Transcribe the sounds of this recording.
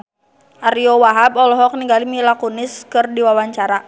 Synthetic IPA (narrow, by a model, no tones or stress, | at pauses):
ʔaɾiɔwaɦabɔlɔɦɔk̚niŋɡalimilakunɪskɨrdiwawaɲt͡ʃaɾa